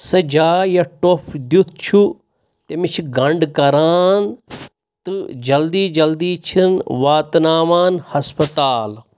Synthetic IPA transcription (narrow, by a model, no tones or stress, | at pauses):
sɐd͡ʒaːjɐʈopʰd̪ut̪̚ʰt͡ʃʰu | t̪emit͡ʃʰɡɐɳɖkɐɾaːn | t̪ɨd͡ʒɐld̪iːd͡ʒɐld̪iːt͡ʃʰinʋaːt̪naːʋaːnhɐspɐt̪aːl